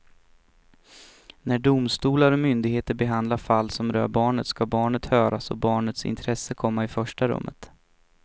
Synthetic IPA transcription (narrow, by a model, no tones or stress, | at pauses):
næɖʊmst̪uːlaɾɔmʏnd̪ɪɡheːt̪əɾbɛɦand̪laɾfalːsɔmɾœ̰ːbɑːɳət̪skabɑːɳət̪hœːɾasɔ̰bɑːɳət̪sɪ̰nt̪ʰɾɛsːəkʰɔmːaɪfœʂʈaɾɵ̰mːə̰t̪